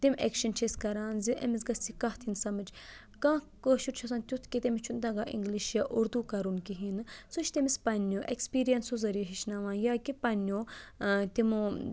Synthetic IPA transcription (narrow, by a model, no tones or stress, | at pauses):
t̪imḛkʃɐnt͡ʃʰeskɐɾaːnziʔɐ̰mizɡɐst͡sikɐht̪ʰinsɐmɨd͡ʒ | kãːkoʃutt͡ʃʰɐsɐnt̪ʲjut̪ʰkit̪emit͡ʃʰund̪ɐɡaːʔḭŋɡliʃjaʔuɾd̪ukɐɾunkiɦinɨsuʃʰt̪ʲemispɐnːoːʔekspiːɾijɐnsozɐɾiɐɦiʃnɐʋãːnjaːkipɐnːjoːt̪imo